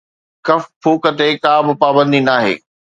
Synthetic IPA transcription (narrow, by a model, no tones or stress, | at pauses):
kɐfpʰuːkət̪ekaːbɪ̆paːbə̃nd̪inaːɦḛː